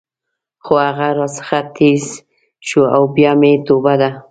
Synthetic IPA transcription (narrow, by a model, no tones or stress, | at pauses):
xoaɣaɾɑsə̥xat̪ʰez | ʃuawbjɑmet̪obad̪a